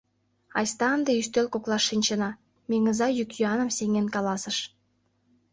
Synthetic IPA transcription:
ɑ̰jst̪ɑnd̪eyst̪ølkoklˠɑʃːinʲt͡ɕə̆nɑ | mʲeŋəzɑjykjyɑnə̆msʲeŋenkɑlɑsə̆ʃ

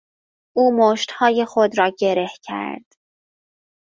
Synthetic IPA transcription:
ʔuːmoːʃt̪hɒːjexod̪ɾɒːɟe̞ɾe̞hcʰæ̰ɾd̪̥

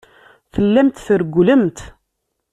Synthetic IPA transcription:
θəlːæmt̪θəɾɡʷːləmt̪

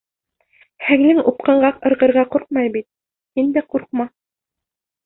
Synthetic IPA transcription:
hæŋlɘŋup̚qɤ̆ɴɢɑqɤ̆ɾʁɤ̆ɾʁɑquɾq̚mɑjbit̪̚ | hind̪æquɾqmɑ

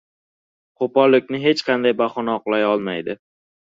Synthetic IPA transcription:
qʰopɒlːɪk̚ʲnɪɦe̞t͡ʃqʰɑnd̪ajbaχɒnaɒqlˠajɒlˠmajd̪ɪ

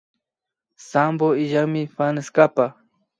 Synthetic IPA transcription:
samboɪʒaŋmɪfanɪskapa

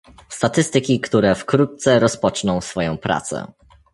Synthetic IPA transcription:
st̪at̪ɘst̪ɘkʲikt̪uɾɛfkɾut̪̚t̪sɛɾɔspɔt͡ʂnɔ̃w̃sfɔjɔ̃w̃pɾa̰t̪sɛ̰

